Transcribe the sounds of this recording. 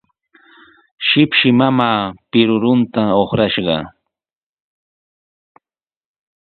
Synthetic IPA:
ʃɪpʃɪmamaːpɪɾʊɾʊnt̪aoχɾaʃɢɑ̰

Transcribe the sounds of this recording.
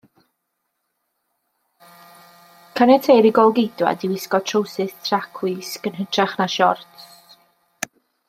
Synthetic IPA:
kʰanɛtʰejɾiɡɔlˠɡɪdwa̰diwɪskɔtʰrowsɨθtʰrakʰwiskənɦətʰrɛχnaʃɔ̰rts

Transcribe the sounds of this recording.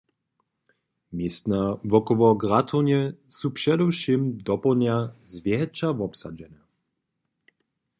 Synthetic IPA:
mjɛst̪navɔkɔvɔɡʁat̪ʰɔnjɛsupʂɛd̪ɔwʃimd̪ɔpɔlnjazvʲjɛɦɛt͡ʃavɔpsa̰d͡ʒɛnɛ

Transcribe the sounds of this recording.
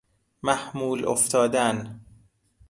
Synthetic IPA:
mæhmuːlʔo̰ft̪ʰɒːd̪æn

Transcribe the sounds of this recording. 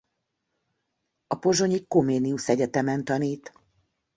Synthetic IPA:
ɒpo̞ʒo̞ɲikomeːniusɛɟɛt̪ɛmɛnt̪ɒniːt̪

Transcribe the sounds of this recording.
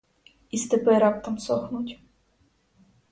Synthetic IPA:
ist̪ɪpɪɾɑp̚t̪ɐmsɔxnutʲ

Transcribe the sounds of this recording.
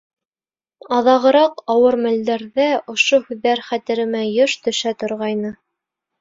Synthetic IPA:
ɑðɑʁɤ̆ɾɑqɑwɤɾmæld̪æɾðæŏʃohʉðːæɾχæt̪ɘ̆ɾɘ̆mæjoʃt̪ɵ̆ʃæt̪ŏɾʁɑjnɤ

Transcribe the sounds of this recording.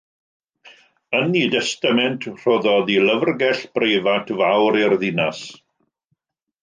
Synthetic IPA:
ənidɛstamɛntʰr̥oðɔðiləvrɡɛɬb̥rejvatʰvawɾɪrðɪnas

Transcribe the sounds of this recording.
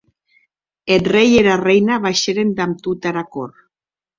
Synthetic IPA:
enrejeɾarejnaβajʃeɾend̪amt̪ut̪aɾakor

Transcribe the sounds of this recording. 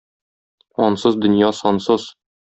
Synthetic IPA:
ɒnsɤzd̪ɵ̆njɑsɒnsɤz̥

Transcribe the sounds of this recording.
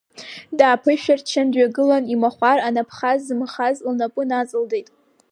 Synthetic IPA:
daːpʰɨʃᶣart͡ʃʰandɥaɡɨlanimaχʷaranapʰχazːɨmχazlnapʼʊnat͡sʼɨldejtʼ

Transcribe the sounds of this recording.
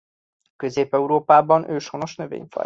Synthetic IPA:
kø̞zeːpɛuɾoːpaːbɒnʔøːʃono̞ʃnøvḛːɲfɒ̰

